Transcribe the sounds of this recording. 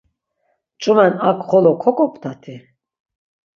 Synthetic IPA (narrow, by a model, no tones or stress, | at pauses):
t͡ʃʼumɛnakʰʼχɔlɔkʰɔkʼɔpʼt̪ʰat̪ʰi